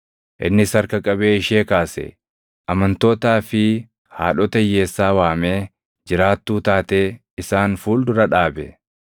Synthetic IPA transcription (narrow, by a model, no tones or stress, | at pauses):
ʔɪ̰nːɪsɐɾkɐkʼɐbe̞ːɪʃe̞ːkaːsɛ̰ | ʔɐmɐnt̪o̞ːt̪aːfɪ | ha̰ːᶑɔt̪ɐje̞ːsːaːwaːme̞ː | d͡ʒɪɾaːt̪ːuːt̪aːt̪e̞ː | ɪsaːnfuːld̪ʊɾɐᶑaːbɛ